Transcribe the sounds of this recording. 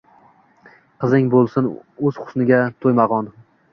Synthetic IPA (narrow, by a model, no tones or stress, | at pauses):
qʰɨzɪŋbolˠsɪnɵz̥χʊ̥snɪɡʲat̪ʰojmaʁɒn